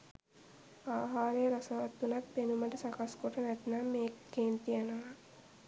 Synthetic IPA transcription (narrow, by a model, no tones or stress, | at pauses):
aːɦaːɾejɾasaʋat̪ːunat̪̚penuməʈəsakaskoʈənæt̪namːeːkkeːnt̪ijənoʋa